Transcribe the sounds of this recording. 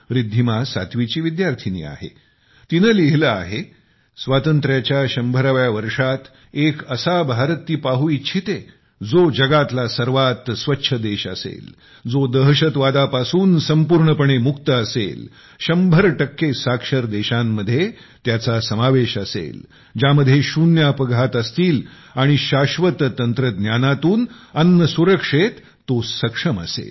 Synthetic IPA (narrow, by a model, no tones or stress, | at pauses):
ʋɾid̪ʱːimasa̰t̪ʋit͡ɕiːʋid̪jaɾt̪ʰinḭːa̰ɦḛ | t̪inəliɦləa̰ɦe | sʋat̪ənt̪ɾjat͡ɕjaɕəmbʱəɾaʋjaʋəɾʂat̪ | ekəsabʱaɾt̪ːiːpaɦuit͡ɕʰit̪e | d͡zod͡ʑəɡat̪lasəɾʋat̪sʋətːɕʰəd̪eɕə̰sḛl | d͡zod̪əɦɕət̪ʋad̪apasuːnsəmpuːɾɳəpəɳ̃emuk̚t̪əəsḛl | ɕəmbʱəɾʈəkːesakʂəɾd̪eɕamːəd̪ʱːje | t̪jat͡sasəmaʋeɕəsḛl | d͡ʑaməd̪ʱːjeɕunjapəɡʱat̪əst̪iːl | aɽ̃iɕaɕʋət̪t̪ːənt̪ɾəɡ̪njanat̪uːnənːəsuɾəkʂet̪ːosəkʂəmə̰sḛl